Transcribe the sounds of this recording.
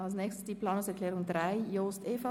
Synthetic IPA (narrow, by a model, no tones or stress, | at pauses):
alsnɛçstə̥sd̥iːplɑːnʊŋsɛɐklɛːʁʊŋdʁaɪjoːsteːfa